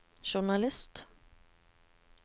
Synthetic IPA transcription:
ɕʊɳalɪst̪

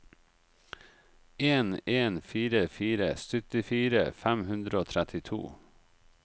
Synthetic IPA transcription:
ʔeːneːnfiːɾəfiːɾə̰sœt̪ɪfiːɾə̰fæmhʉnd̪ɾəoːt̪ʰɾɛt̪ʰɪt̪ʰṵː

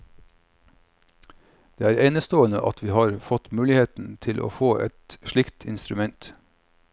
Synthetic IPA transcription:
d̪̥eːæːɾeːnəst̪oːənə̰ʔɑt̪ʰʋiːhɑːɾfɔt̪mʉːlɪheːt̪n̩t̪ʰɪlʔo̰ːfoːʔɛ̰t̪ʃɭɪkt̪ʰɪ̰nst̪ɾʉmɛnt̪

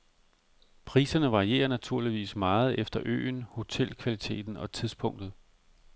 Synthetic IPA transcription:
pʰʁḭːsɐnəʋɑ̈ʁie̝̰ːɐnæt͡sʰuɐ̰liʋḭːsmɑ̈ːð̞̩ˠefd̥ɐʔø̰ːnho̝t͡sʰelkʰʋælit͡sʰe̝̰ːd̥n̩ɒ̽t͡sʰiðˠspʰɔ̽ŋ̰d̥ð̞̩ˠ

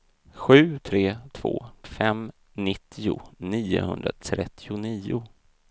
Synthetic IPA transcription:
ɧʉ̟ːt̪ʰɾeːt̪ʰv̥o̰ːfɛm | nɪt̪ʰːɪʊniːʊ̰hɵnd̪ɾa̰t̪ʰɾɛt̪ʰːɪʊniːʊ

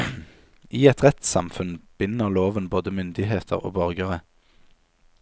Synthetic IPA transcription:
ʔiːɛt̪ʁɛt̪sɑ̰mfʉnb̥ɪnəʁloːʋənboːd̪əmʏnd̪ɪɦeːt̪ʰəʁo̰ːbœʁɡəʁə

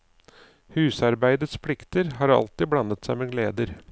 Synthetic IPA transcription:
hʉːsɑɾbæɪd̪ət̪spʰlɪkt̪əɾɦɑːɾɑ̰lt̪ɪblɑnːət̪sæɪmeːɡleːd̪əɾ

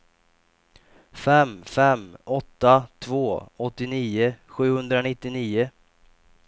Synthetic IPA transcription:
fɛmːfɛmɔt̪ːat̪ʰvoːɔt̪ːɪniːʊɧʉ̟ːhɵnd̪ɾanɪt̪ːɪniːʊ

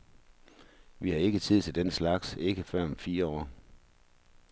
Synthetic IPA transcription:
ʋihɑ̈e̝ɡ̥ət͡sʰið̞̰ˠt͡sʰe̝ld̥enslɑ̈ɡ̥se̝ɡ̥əfɶɐ̰mfiːɐɒ̰ː

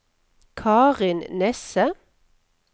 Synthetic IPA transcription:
kʰɑːʁɪnnɛsə

